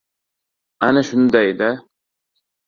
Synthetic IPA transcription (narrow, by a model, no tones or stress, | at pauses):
anaʃʊnd̪ajd̪a